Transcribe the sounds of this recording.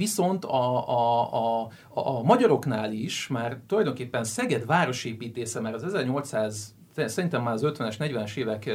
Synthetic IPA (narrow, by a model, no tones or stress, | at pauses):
viso̞nt̪ɒ | mɒɟɒɾo̞knaːliʃmaːrt̪ulɒjd̪o̞ŋkeːpːɛnsɛɡɛd̪vaːɾo̞ʃeːpiːt̪eːsɛmaːɾɒzɛzɛrɲo̞lt̪saːz | sɛɾint̪ɛmːaːlɒzøt̪ʋɛnɛʃnɛɟʋɛnɛʃeːvɛk